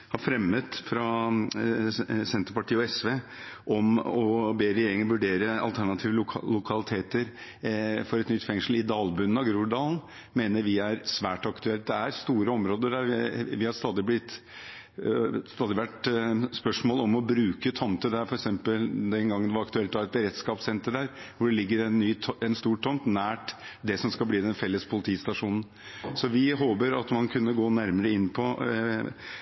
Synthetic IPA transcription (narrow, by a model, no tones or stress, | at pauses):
hɑɾfɾɛmːət̪fɾɑ | sɛnt̪əɾpɑʈʰiːəɔɛsʋeː | ʔɔmɔbeːɾɛjeːɾɪŋənʋʉɖeːɾəɑlt̪ʰæɳɑt̪ʰiːʋəlʊkʰɑlɪt̪ʰeːt̪əɾ | fɔɾɛt̪nʏt̪ːfɛŋʂəl̩ɪd̪ɑːlbʉn̩ːɑɡɾuːɖɑːln̩ | meːnəɾʋɪæɾsʋæːʈɑkt̪ʉɛlt̪̚d̪ɛæɾst̪uːɾəɔmɾoːd̪əæʋɪhɑɾst̪ɑːd̪ɪblɪt̪ː | st̪ɑːd̪ɪʋæʈspœʂmoːlɔmɔbɾʉːkət̪ʰɔmt̪əd̪æɾfɔɾɛksɛmpəld̪ɛnɡɑŋːənd̪ɛʋɑɾɑkt̪ʉɛlt̪ɑɾɛt̪̚bəɾɛt̪skɑːpsɛnt̪əɖæːɾʋʊɖɛlɪɡːəɾɛnːyːɛnst̪uːʈʰːɔnt̪næːʈd̪ɛsɔmskɑbliːd̪ɛnfɛlːəspʰʊlɪt̪ʰiːst̪ɑʂuːnn̩ | sɔʋɪɦoːbəɾɑt̪mɑnkʰʉnːəɡoːnæɾməɾəɪnːpʰɔ